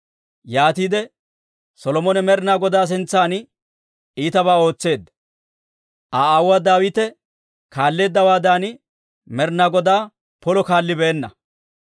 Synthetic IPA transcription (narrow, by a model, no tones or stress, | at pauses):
jaːt̪iːd̪ɛ | sɔlɔmɔnɛmɛɾnaːɡɔd̪aːs̬ɪnt͡sːaːn | iːt̪ɐbaːo̞ːt͡sːe̞ːd̪ːɐ | ʔaaːwːaːd̪aːwɪt̪ɛ | kaːlːe̞ːd̪ːɐwaːd̪aːnɪ | mɛɾnaːɡɔd̪aː | pɔlɔkaːlːɪbɛːnːɐ̰